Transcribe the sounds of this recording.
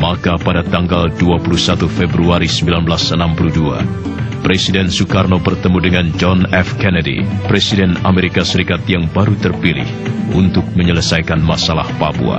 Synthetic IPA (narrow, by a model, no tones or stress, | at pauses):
makapadat̪aŋɡalduapulusat̪ufɛbɾuaɾisəmbilanblasənampuludua̰ | pɾɛsidɛnsukarnobərt̪əmudəŋand͡ʒɔnɛfkɛnɛdḭpɾɛsidɛna̰meɾikasəɾikat̪jaŋbaɾut̪ərpilɪ̰hṵnt̪ʊk̚məɲələsajkanmasala̰hpabṵa̰